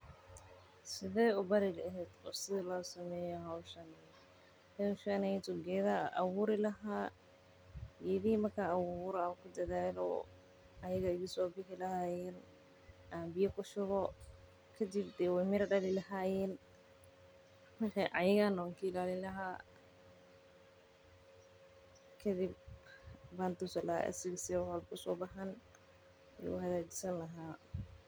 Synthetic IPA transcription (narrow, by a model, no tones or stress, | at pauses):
sɪðɛːʊbɐɾɪlɛɦɛd̪ɔ̰ːsɪðɪlɔːsɐmɛːjɔɦawʃɐn | hɛwʃɐnɛjt̪ʊɡɛːðaʔɐ̰wʊɾɪlɐɦaː | jɛðimɐrkʰaːwʊːɾkʰʊd̪ɐðaːlɔ̰ | ɐjɐɣɐɪɣisɔːbɪħɪlɐhaːjɛːn | ʔaːmbɪjɐkʰʊʃʊɣɔ | kʰɐd̪ɪbd̪ɛːwɛjmɪɾɐɖɐlɪlɐɦaːjɛːn | wħɛʔɐ̰jɐɣanɔːŋkʰiɪlaːlɪlɐɦa | kʰɐd̪ɪb | baːnt̪ʊsɐlɐa̰ːʔɐ̰sɪɣɐswħɔlkʰʊsɔːbɑħɐn | ɛ̰ʊ̰hɐðaːd͡ʒɪ̥sɐnlɐɦaː